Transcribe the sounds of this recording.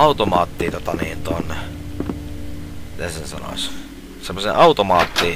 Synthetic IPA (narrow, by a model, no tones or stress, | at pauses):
ɑut̪omɑːt̪ːiːt̪ot̪ɑniːnt̪onːe | mit̪esensɑno̰s | semːosḛʔɑut̪omɑːt̪ːiː